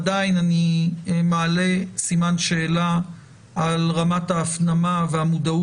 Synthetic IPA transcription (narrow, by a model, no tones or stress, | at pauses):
dainanimaːle̞simanʃe̞ːla | alʁamataːfnamaveamud̪au